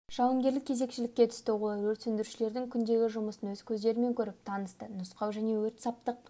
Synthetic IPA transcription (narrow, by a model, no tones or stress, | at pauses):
ʒ̥ɑwəŋɡʲe̞ɾlɪkkʲʰːe̞ze̞kʃɪlɪkʲːe̞t̪ʰʏ̥st̪ɪwolˠɾwɵɾt̪sʏnd̪ɪɾuʃɪle̞ɾd̪ɪŋkʲʰʏnd̪e̞ɡʲɪʒʊməsənwɵz̥kʲʰɵzd̪e̞ɾɪme̞ŋkʲʰɵɾɪp̚t̪ʰɑnəst̪ənʊsqɑwʒæne̞wɵɾt̪sɑp̚t̪əq̚